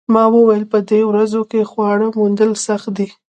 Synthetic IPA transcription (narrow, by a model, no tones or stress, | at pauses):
mɑwəwajəlpəd̪ɾewɾazokexwɑɽəmund̪əlsaxt̪̚d̪i